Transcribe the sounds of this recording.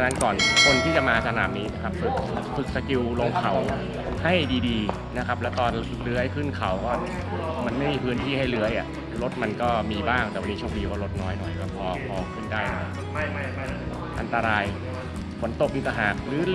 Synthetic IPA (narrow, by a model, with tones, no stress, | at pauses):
a˧na˦˥nkɔː˨˩nkʰo˧nt̪ʰiː˥˩t͡ɕa˨˩maː˧sa˧na̰ː˩˦mniː˦˥na˦˥kʰa˦˥p̚fɯ˨˩k̚fɯ˨˩k̚sa˧ki˧wloː˧ŋkʰa˨˩˦w | ha˥˩jdiː˧diː˧ | na˦˥kʰa˦˥p̚lɛ˦˥wt̪ɔː˧n | lɯ˦˥əjpʰɯ˥˩nkʰa˨˩˦wkɔː˥˩ | ma˧nma˥˩jmiː˧pʰɯː˦˥ənt̪ʰiː˥˩ɦa˥˩jlɯ˦˥əjʔa̰˨˩ | ɾo˦˥t̪̚ma˧nkɔː˥˩miː˧baː˥˩ŋt̪ɛ˨˩wa˧niː˦˥t͡ɕʰoː˧ŋdiː˧kɔː˥˩ɾo˦˥t̪̚nɔː˦˥jnɔ˨˩jkɔː˥˩pʰɔː˧pʰɔː˧kʰɯ˥˩ndaː˥˩jnɔ˧˩ | ʔa̰˧nt̪a˧ɾaː˧j | fo˩˦nt̪o˨˩k̚ʔi˧nt̪a˧ɦaː˨˩k̚ɾɯː˩˦